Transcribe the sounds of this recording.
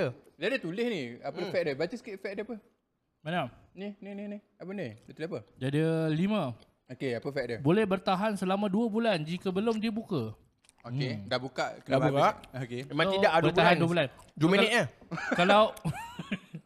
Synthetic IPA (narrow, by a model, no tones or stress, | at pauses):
əd͡ʒiadət̪ulɪhniapəfɛʔ̚dəbat͡ʃəskifɛk̚dəapə | manamnininihni | apənidat̪ulapəd͡ʒadəlimã | okeapəfɛk̚dəbolɛhbərt̪aɦansəlamãduəbuland͡ʒikəbəlʊmdiəbukə | oedabukaʔkədabukaʔokememaŋt̪idaʔadbərbuaanduəbuland͡ʒuməniʔakalaw